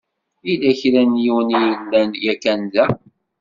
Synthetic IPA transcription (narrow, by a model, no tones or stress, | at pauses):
ilæçɾænjiwənijəlːænjækːænd̪æ